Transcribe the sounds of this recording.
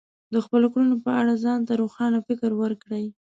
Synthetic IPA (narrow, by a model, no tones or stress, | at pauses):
d̪əxpəlokɽunopəaɽazɑnt̪aɾoxɑnafɪkəɾwəɾkɽəj